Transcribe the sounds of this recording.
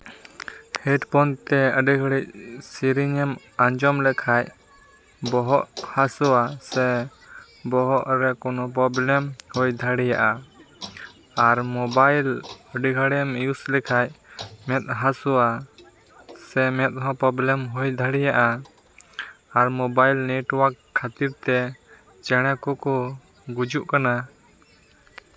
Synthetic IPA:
hɛʈpɔnt̪ɛəɖiɡʱəɽic̚siɾiɲɛm | aɲd͡ʒɔmlɛkʰaj | bɔɦɔʔhasɔwasɛ | bɔɦɔʔɾɛkɔnɔp̬ɾɔblɛmhɔjd̪ʱaɽija̰ʔa | aɾmɔbajlɔɖiɡʱaɽɛmjuslɛkʰajmɛt̪̚ɦasɔwa | sɛmɛt̪̚ɦɔ̃pɾɔblɛmɦɔjd̪ʱaɽɛjaʔa | aɾmɔbajlnɛʈwakʰːat̪iɾt̪ɛ | t͡ʃɛɽ̃ɛkɔkɔ | ɡud͡ʒuʔkana

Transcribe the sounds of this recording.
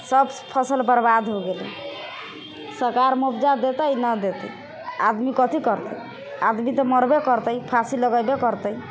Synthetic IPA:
səbpʰəsəlpəɾbad̪ʱɦoɡelḭ | səɾkaɾmupʰd͡ʒad̪et̪əjnəd̪et̪ə̰ | a̰d̪mikɔt̪ikɔɾt̪ə̰j | ad̪mit̪ɔmɔɾbekɔɾt̪əjpʰasiləɡəjbekɔɾt̪əi

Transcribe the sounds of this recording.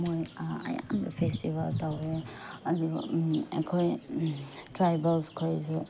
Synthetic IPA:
moja̰ja̰ndṵpʰestibaltawɾeaduḛkʰoj | tɾajbɐlskʰojzu

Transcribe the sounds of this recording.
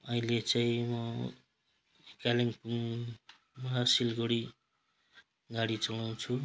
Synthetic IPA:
ʌilet͡saĩmʌ | kaliŋpuŋ | masilɡoɽi | ɡaɽit͡sʌlaw̃t͡sʰu

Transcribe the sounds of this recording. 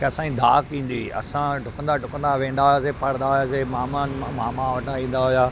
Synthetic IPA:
keɐsãĩd̪ʱa̰ːkĩːnd̪iɐ̰sãɖʱʊkə̃nd̪aɖʱʊkə̃nd̪aʋẽːnd̪aːɦʊjas̬epɐɽ̃nd̪aːɦʊjasemaːmanamaːmãʋɐʈaĩːn̆d̪aɦʊjaː

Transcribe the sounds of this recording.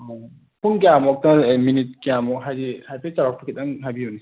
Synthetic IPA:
pʰuŋɡijamɔk̚tɐminit̚kijamɔkɦajdihajpʰet͡ʃaak̚pʰukʰit̚aŋɦajbiuni

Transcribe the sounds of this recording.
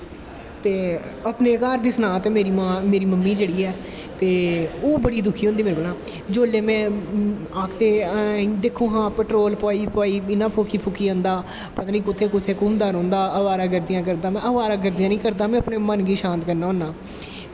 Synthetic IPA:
t̪eːəpneːkaːɾd̪iːsnãːt̪eːmeːɾiːmãːmeːɾiːməmːiːd͡ʒeːɽiːɛː | t̪eːoːbəɽiːd̪ʊkʰiːɦõnd̪iːmeːɾeːbəlãː | d͡ʒoːleːmɛ̃ː | aːkʰt̪eːd̪eːkʰõːɦãːpɛʈɾoːlpɔːiːpɔːiːɪnãːpʰoːkʰiːpʰʊkʰiːə̃nd̪aː | pət̪aːniːkʊt̪ʰːeːkʊt̪ʰːeːkʊmd̪aːɾõːnd̪aːəʋaːɾaːɡəɾd̪ɪjãːk̬əɾd̪aːmɛ̃ːəʋaːɾaːɡəɾd̪ijãːnĩːkəɾd̪aːmɛ̃ːəpneːmənɡiːʃãːnt̪kəɾnaːõːnːaː

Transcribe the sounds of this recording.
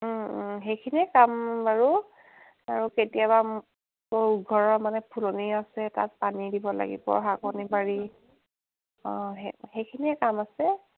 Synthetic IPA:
ɦejkʰiniɛkambaɹu | aɹuketijaba | moɹɡʱɔɹɔɹmanɛpʰuloniasɛta̰t̚panidibɔla̰ɡḭbɔ̰ɹɦakɔnibaɹi | ɔ̃ɦexejkʰiniɛkamasɛ

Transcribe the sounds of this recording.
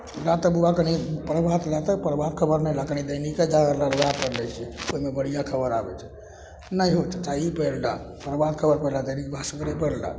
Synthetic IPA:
ɾat̪əbuakənipəɾbʱat̪ɾat̪əpəɾbad̪̚kʰəbəɾnəlakənid̪əjniked͡ʒaəɾlaləɡapəɾlɛt͡ʃʰɛoɦimebəɽ̤ijakʰəbəɾa̰bɛ̰t͡ʃʰɛ̥ | nəjɦot͡ʃ̪t̪aipəjlla̰pəɾbad̪kʰəbəɾpəlad̪əjnikbʱasəkəɾepəlda̰

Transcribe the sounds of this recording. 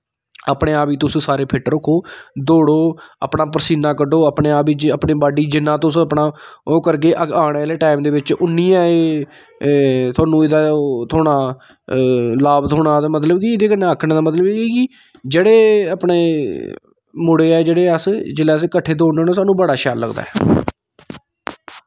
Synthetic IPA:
apɽẽːaːpiːt̪ʊsːsaːɾeːpʰɪʈɾʊkʰːoːd̪oːɽoːə̰ːpɳaːp̬əɾsiːnaːkəɖoːəpɳeːaːpiːd͡ʒəpɳeːbaːɖiːd͡ʒɪnːãːt̪ʊsəpɳaːoːkəɾk̬eːʔaːɽ̃eːleːʈaːɪmd̪eːʋɪt͡ʃʊnːijãːeː | t̪ʰʊaːnũːɪd̪aːt̪ʰoːɽaː | laːbt̪ʰoːɽaːt̪aːmət̪̬ləbkiɪd̪eːkənːaaːkʰɳẽːd̪aːmət̪ləbeːeːkɪ | d͡ʒeːɽeːapɳeː | mʊɽeːɛːd͡ʒeːɽeːəsd͡ʒɪlɛːəskəʈʰːeːd̪oːɽõːnaːsaːnũːbəɽaːʃaːlːə̰ɡd̪a̰ːɛː

